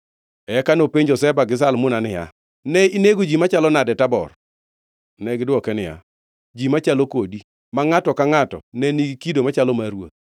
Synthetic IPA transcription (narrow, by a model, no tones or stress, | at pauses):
ɛkanopeɲd͡ʒɔsɛbaɡɪs̬almʊnanɪja̰ | nɛineɡod͡ʒimat͡ʃalɔnadɛtabɔ̰r | nɛɡɪdwɔkɛnɪja̰ | d͡ʒimat͡ʃalɔkodi | maŋatɔkaŋatɔ̰nɛniɡikidomat͡ʃalɔmaɾwo̰t̪̚